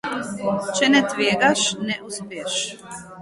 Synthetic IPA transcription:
t͡ʃɛnɛt̪ʋeːɡaʃnɛʔuspeːʃ

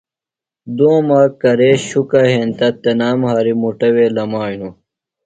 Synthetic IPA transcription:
d̪oːmaːkɐɾeːɕukɐɦẽnt̪ɐt̪enaːmhaːɾimuʈɐweːlɐmaːjnu

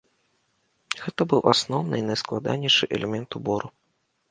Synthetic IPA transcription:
ɣɛt̪ɐbɨwʔasnɔwnɨ̰inɐjsklˠad̪a̰nʲɛʂɨʔɛlʲɛmʲɛnt̪ubɔɾu

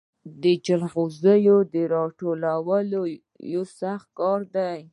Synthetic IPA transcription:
d̪əd͡ʒalɣozəjod̪əɾɑʈolawəlo | josaxt̪̚kɑɾd̪aj

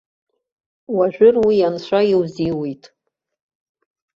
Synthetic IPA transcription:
waʒᶣʷʊrwijant͡ɕʷaiwziwijtʼ

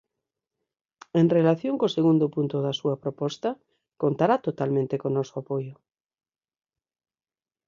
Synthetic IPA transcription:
eŋrelaθjoŋkoseɣund̪ʊpunt̪ʊðɐsuɐpɾopɔst̪ɐ | kont̪aɾat̪ot̪almẽnt̪ekonɔsoapojʊ

